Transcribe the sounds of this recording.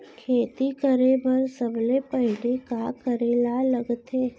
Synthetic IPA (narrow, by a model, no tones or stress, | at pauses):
kʰeːt̪ikəɾebɐɾsəblepəɦɪlikakəɾelalɐɡt̪eː